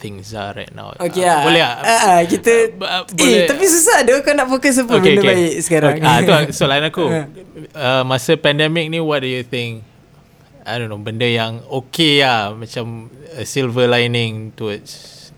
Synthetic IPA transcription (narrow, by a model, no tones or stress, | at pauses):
t̪ɪ̃ŋsa̰ɹa̰jt̚na̰wokeabolehaəʔəkit̪əboet̪apis̬usaduːkanaʔfokəs̬əpəbəeonəbaɪʔsə̥kaɾaŋaoasolaənaku | əmasəpɛndɛmɪk̚niwɔt̚dujut̪ɪ̃ŋk̚ | ajdonobəndəjaŋokeamat͡ʃaməsilvəlajnɪ̃ŋt̪uəts